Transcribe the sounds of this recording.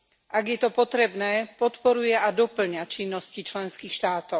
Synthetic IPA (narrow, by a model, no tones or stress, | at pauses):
ʔaɡjɛt̪ɔpɔt̪ɾɛbnɛːpɔt̪pɔɾujɛad̪ɔpl̩ɲat͡ʃinːɔscit͡ʃlɛnskiːxʃt̪aːt̪ɔʊ